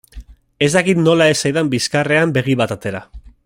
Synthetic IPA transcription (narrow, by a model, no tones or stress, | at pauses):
e̞zd̪akit̪no̞laesajðambiskare̞ambe̞ɣ̞iβat̪at̪e̞ɾa